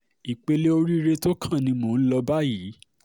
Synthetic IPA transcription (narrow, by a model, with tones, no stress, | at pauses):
i˨k͡pe˧le˦o˧ɾi˦ɾe˦to˦kʰã˦˨nĩ˧mõː˨˦n̩˦lɔ˧ba˦ji˨˦